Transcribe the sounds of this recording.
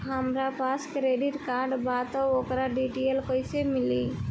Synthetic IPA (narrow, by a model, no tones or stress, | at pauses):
ɦəmɾapʰaskɾeɖiʈkaɾɖbat̪ɔokɾaɖiʈelkojsemili